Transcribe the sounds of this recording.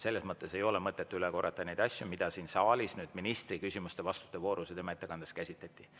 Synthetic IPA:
se̞lːe̞smɤt̪ˑːe̞se̞jo̞lemɤt̪ˑːe̞t̪ːˑuyleko̞rːɑt̪ːˑɑne̞jd̪̥ɑsʲjumid̪̥ɑsiːnsɑːlʲisnyːd̪̥minist̪rikysʲimust̪e̞vɑst̪u̥t̪ːˑe̞vo̞ːɾuset̪e̞mɑe̞t̪ːe̞kɑnd̪̥eskæsʲit̪læt̪ʲˑːi

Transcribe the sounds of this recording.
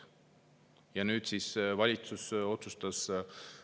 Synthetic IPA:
jɑnyːd̪̥siːsvɑlʲit̪suso̞t̪sust̪ɑs

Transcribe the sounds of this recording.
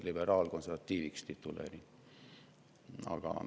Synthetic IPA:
libeɾɑːlkonset̪ːiːʋikst̪it̪ːulḛri | ɑ̰ɡ̥ɑ̰

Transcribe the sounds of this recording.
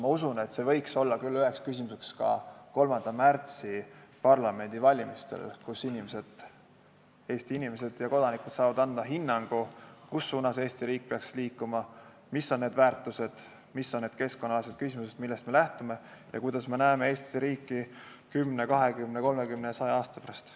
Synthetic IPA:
mɑusune̞t̪ˑse̞vɤ̞jkso̞lːɑkylːyɦe̞kskys̬ʲimus̬e̞kskɑ̰ko̞lmɑnd̪̥ɑmært̪sipɑrlɑme̞nd̪̥ivɑlʲimist̪e̞̰lkusinimese̞d̪̥ | e̞ːst̪iinime̞s̬e̞d̪̥jɑko̞d̪ɑnikud̪̥sɑːvɑd̪ɑnd̪ɑɦinːɑŋɡ̥ukusːuːnɑse̞ːst̪iɾiːk̚peɑksliːkːˑumɑ | misːo̞nːe̞ːd̪væːrt̪ːˑuse̞d̪̥ | misːonːed̪̥̚keskonːɑlɑs̬et̪̚kysimus̬et̪milːe̞st̪me̞læht̪ume̞jɑ̰kujd̪̥ɑsme̞næemeeːst̪isɾiːkːˑi | kymne̞kɑɦe̞kymne̞ko̞lme̞kymnesɑjeɑːst̪ɑ̥pæɾɑst̪

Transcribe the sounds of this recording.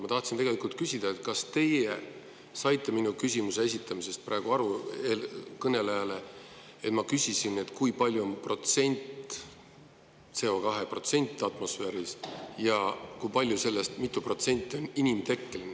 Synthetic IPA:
mɑt̪ɑht̪sint̪eɡelikult̪̚kysʲid̪̥ɑet̪kɑst̪e̞je | sɑjt̪ˑːe̞minukysʲimuse̞esit̪ːˑɑmise̞st̪̚prʔɑːeɡ̥uɑɾuelkɤne̞lejɑle̞ | et̪mɑkysisine̞t̪kujpɑlʲjuonpro̞t̪se̞nʲt̪ˑ | se̞o̞kɑɦe̞pro̞t̪se̞nʲt̪ːˑɑt̪ˑmo̞sfe̞ːɾisjɑkujpɑlʲjuse̞lːe̞st̪mit̪ːˑupro̞t̪se̞nʲt̪ʲːˑio̞ninimt̪e̞kːelin

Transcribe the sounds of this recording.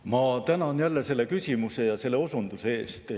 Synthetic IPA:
mɑt̪ænɑnjælːese̞lːe̞kysʲimuse̞jɑse̞lːe̞o̞sund̪̥use̞e̞ːst̪

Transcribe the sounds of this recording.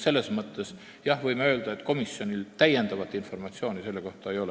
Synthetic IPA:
se̞lːe̞smɤt̪ˑːe̞s | jɑhvɤ̞jmeøːld̪̥ɑe̞t̪ːˑko̞misːjo̞nilt̪æje̞nd̪̥ɑvɑt̪ːˑinfo̞rmɑt̪sioːnise̞lːe̞ko̞ht̪ɑejo̞l

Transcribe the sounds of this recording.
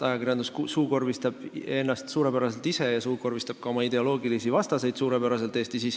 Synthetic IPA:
t̪ɑjɑkirjɑnd̪usksuːko̞rvist̪ɑb̥e̞nːɑst̪suːɾe̞pæɾɑse̞lt̪ise̞jɑsuːko̞rvist̪ɑb̥̚kɑo̞mɑid̪̥e̞o̞lo̞ːɡilisivɑst̪ɑse̞jd̪̥suːɾe̞pæɾɑse̞lt̪ˑe̞ːst̪isis

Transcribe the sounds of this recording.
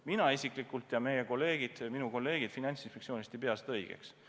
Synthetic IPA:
minɑisikˑlikːˑult̪jɑme̞je̞ko̞lːe̞ːɡ̥id̪̥minuko̞lːe̞ːɡ̥id̪̥finɑnʲt̪sinspek̪sioːnʲist̪ipe̞ɑst̪ɤjɡ̥ḛks

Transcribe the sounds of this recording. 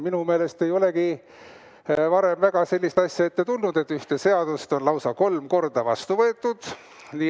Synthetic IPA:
minume̞ːle̞st̪ejo̞le̞ɡi | vɑɾe̞mvæɡ̥ɑse̞lʲːist̪ɑsʲjɑe̞t̪ːe̞t̪ulnud̪̥e̞t̪ːˑyht̪e̞se̞ɑd̪̥ust̪o̞nlɑwsɑko̞lmko̞rd̪̥ɑvɑ̰st̪uvɤet̪ːˑud̪̥ | niː

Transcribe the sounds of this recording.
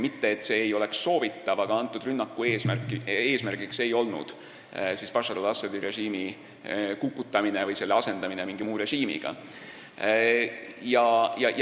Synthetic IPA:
mit̪ːe̞ːt̪ːse̞ːjo̞le̞ksːo̞ːvit̪ːˑɑvɑɡ̥ɑɑnt̪ːˑud̪̥rynːɑkːˑue̞ːsmærkːˑie̞ːsmærɡ̥ikse̞jo̞lnṵd̪̥ | sispɑʃɑd̥̪olɑsːɑd̪̥iɾe̞ʒiːmi | kukːˑut̪ːˑɑminevɤjse̞lːeɑse̞nd̪̥ɑminemiŋɡ̥imuːɾe̞ʒiːmḭɡ̥ɑ̰ | jɑjɑj

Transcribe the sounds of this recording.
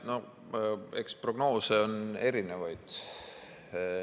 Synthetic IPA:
no̞ | eksproɡ̥no̞ːse̞o̞ne̞ɾinevɑjd̪̥

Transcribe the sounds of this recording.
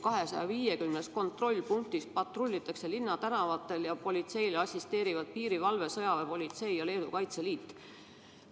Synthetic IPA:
kɑɦe̞sɑjɑviːje̞kymnesko̞nt̪ˑro̞lʲːpuŋk̚t̪ispɑt̪ˑrulʲːit̪ːˑɑkse̞linːɑt̪ænɑvɑt̪ːˑe̞ljɑpo̞lʲit̪se̞jleɑsʲist̪e̞ːɾivɑd̪̥̚piːɾivɑlve̞sɤ̞jɑvepo̞lʲit̪se̞jjɑle̞ːd̪ukɑjt̪se̞liːt̪ːˑ

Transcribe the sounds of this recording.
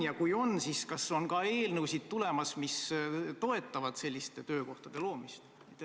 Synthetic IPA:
jɑkujo̞nsiskɑsːo̞nkɑe̞ːlnɤwsid̪̥̚t̪ule̞mɑsmist̪o̞e̞t̪ːˑɑvɑd̪̥se̞lʲːist̪e̞t̪øːko̞ht̪ɑd̪̥e̞lo̞ːmist̪ | mit̪ːˑe

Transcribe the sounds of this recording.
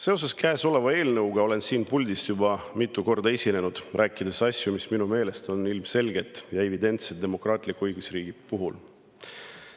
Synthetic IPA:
se̞ose̞skæeso̞le̞vɑe̞ːlnɤwɡ̥ɑo̞le̞nsiːnpulʲd̪ist̪jubɑmit̪ːˑuko̞rd̪ɑesʲine̞nud̪̥rʔæːkːˑid̪e̞sɑsʲjumisminume̞ːle̞st̪o̞nilmse̞lɡe̞t̪ːˑjɑe̞vid̪e̞nt̪sed̪̥emo̞krɑːt̪ˑlikːuɯjɡ̥usriːɡ̥ipuɦul

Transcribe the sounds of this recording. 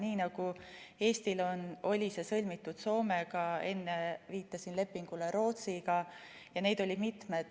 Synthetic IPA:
niːnɑɡ̥ue̞ːst̪ilo̞no̞lʲisesɤ̞lʲmit̪ːˑud̪̥so̞ːmeɡ̥ɑe̞nːeviːt̪ˑːɑsinle̞pːiŋɡ̥ule̞ɾo̞ːt̪siɡ̥ɑ | jɑne̞ːd̪̥o̞lʲid̪̥mit̪med̪̥

